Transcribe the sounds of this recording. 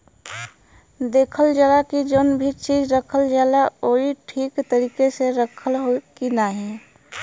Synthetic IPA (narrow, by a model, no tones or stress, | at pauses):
d̪eːkʰəld͡ʒaːlakid͡ʒonbʱit͡ʃiːd͡ʒɾəkʰəld͡ʒaːlaoːiʈʰiːkt̪əɾiːkeseɾəkʰəlɦokinaɦɛ̃